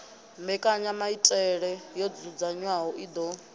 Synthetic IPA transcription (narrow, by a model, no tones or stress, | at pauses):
mbɛkʼaɲamaitʼɛɺɛjɔd͡zud͡zaɲwaɦɔid̪ɔ